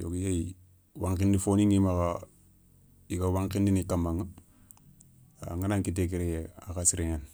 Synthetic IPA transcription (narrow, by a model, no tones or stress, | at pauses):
jo̰kjai | waŋkindifoniŋimaka | ikawaŋkindinikamaŋ | a̰ŋanaŋkit̬ek̬iɾejea̰kasiɾeŋan